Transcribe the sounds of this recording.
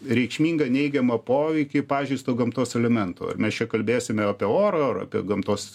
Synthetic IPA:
ɾʲɛɪkʃʲmʲiːŋɡɐnʲɛɪɡʲɛmɐpoːʋʲɛɪkʲɪpɑːʒʲɛɪst̪oːɡɐmt̪oːsɛlʲɛmʲɛnt̪o̰ːɐ̰rmʲɛst͡ʃʲɛkɐlʲbʲeːsʲɪmʲɛɐːpʲɛoːɾɐɐrɐ̰ːpʲḭɡɐmt̪oːs

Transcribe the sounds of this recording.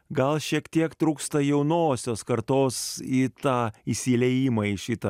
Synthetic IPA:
ɡɐlˠʃʲiɛkt̪ʲiɛkt̪ɾuːkst̪ɐjɛʊnoːsʲoːskɐɾt̪oːsiːt̪ɑːisʲilʲɛjɪmɐiʃʲɪt̪ɐ

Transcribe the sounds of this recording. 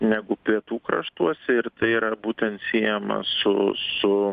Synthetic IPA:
nʲæɡʊpʲiɛt̪uːkɾɐ̰ʃt̪uɔsʲɛɪɾt̪ɐɪiːɾɐbuːt̪ʲɛnt̪sʲiːjɛmɐ̰sʊ̰sʊ

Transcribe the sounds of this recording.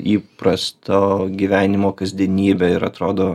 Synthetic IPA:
iːpɾɐst̪oːɡʲiʋʲæːnʲɪmoːkɐzʲd̪ʲiɛnʲiːbʲɛɪɾɐt̪ɾoːd̪oː

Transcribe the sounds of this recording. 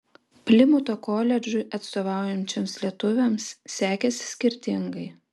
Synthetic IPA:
pʲlʲɪmʊt̪okoːlʲɛd͡ʒʲʊʔɐt̪st̪oːʋɑˑʊjɛnʲt͡ʃʲɛmslʲiɛt̪ʊʋʲɛmsːʲæːkʲɛsʲsʲkʲɪɾʲt̪ʲɪŋɡɐɪ

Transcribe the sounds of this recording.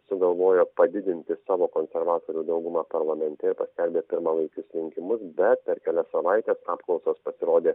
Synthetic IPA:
sʊɡɐlˠʋoːjoːpɐd̪ʲɪd̪ʲɪnʲt̪ʲɪsɑːʋoːkoːnʲsʲɛɾʋɑːt̪oːɾʲuːd̪ɐʊɡʊmɑːpɐɾlˠɐmʲɛnʲt̪ʲɛɪɾpɐsʲkʲɛlʲbʲeːpʲɪɾmɑːlˠɐɪkʲʊsɾʲɪŋʲkʲɪmʊsbʲɛt̪̚pʲɛɾkʲɛlʲɛsɐʋɐɪt̪ʲeːsɑːpklˠɒʊsoːspɐsʲɪɾoːd̪ʲeː

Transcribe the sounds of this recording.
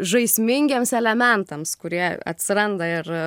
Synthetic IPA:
ʒɐɪsʲmʲɪŋʲɡʲeːmsɛlʲɛmʲɛnt̪ɐmskʊɾʲiɛɐ̰t̪ʲsʲɪɾɐnd̪ɐɪr

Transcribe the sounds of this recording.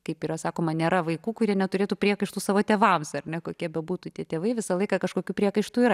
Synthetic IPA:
kɐɪpiːɾɐsɑːkoːmɐnʲeːɾɐʋɐɪkuːkʊɾʲiɛnʲɛt̪ʊɾʲeːt̪uːpʲɾʲiɛkɐɪʃt̪uːsɑːʋoːt̪ʲeːʋɐmsɐrʲnʲɛkoːkʲiɛbʲɛbuːt̪uːt̪ʲiɛt̪ʲeːʋɐɪʋʲɪsɐlˠɐɪkɐkɐʃkoːkʲuːpʲɾʲiɛkɐɪʃt̪uːiːɾɐ

